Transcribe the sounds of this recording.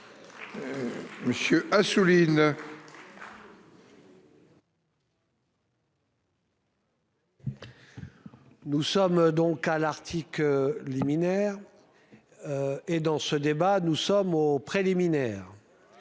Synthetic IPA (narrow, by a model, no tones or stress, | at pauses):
məsjøʔasulin | nusɔmd̪ɔ̃kalaʁt̪ʰikləliminɛːʁ | ed̪ɑ̃səd̪ebanusɔmopχeliminɛːʁ